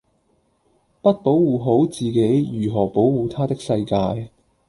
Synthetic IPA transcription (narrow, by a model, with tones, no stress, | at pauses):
pɐ˥t̚po˨˥wwuː˨ɦo˨˥wt͡siː˨ke˨˥jjyː˨˩ɦɔː˨˩po˨˥wwuː˨˧t̪ʰaː˥t̪ɪ˥k̚sɐ˧jkaː˧j